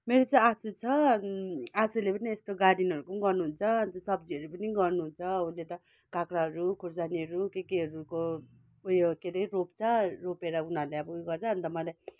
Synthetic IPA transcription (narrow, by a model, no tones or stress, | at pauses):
meɾot͡sãasut͡sʰʌ | asulepʌniest̪oɡaɽinɦʌɾukʌnɡʌrnuɦunt͡sʰʌʌnt̪ʌsʌb̚d͡ziʌɾupʌniɡʌrnuɦunt͡sʰʌunlet̪ʌ | kakɾaɦʌɾukʰuɾd͡zaniʌɾukekiɦʌɾuko | ujkeɾʌropt͡sʰʌropeɾʌunaleʌbʌujɡʌt͡sʰʌɦʌnt̪ʌmʌlaj